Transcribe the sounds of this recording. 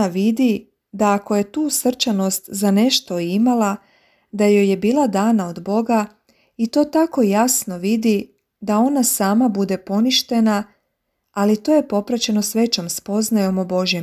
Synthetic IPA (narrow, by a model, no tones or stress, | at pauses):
aʋid̪i | d̪aːko̞je̞t̪uːsr̩t͡ʃano̞st̪zane̞ʃt̪o̞imala | d̪ajo̞je̞biːlˠad̪aːnaod̪bo̞ɡa | it̪o̞ːt̪ako̞jasno̞ʋid̪i | d̪ao̞nasaːmabud̪e̞po̞niʃt̪e̞naː | lit̪o̞je̞po̞pɾat͡ɕe̞no̞sʋe̞t͡ɕo̞mspo̞znajo̞mobo̞ʒjem